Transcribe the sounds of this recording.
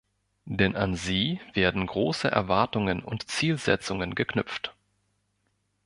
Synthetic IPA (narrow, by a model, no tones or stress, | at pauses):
d̥ɛnʔanziːv̥eːɐdn̩ɡʁoːsəʔɛ̰ɐvaɐtʊŋənʊ̰ntt͡siːlzɛ̰t͡sʊŋənɡəknʏpp͡ft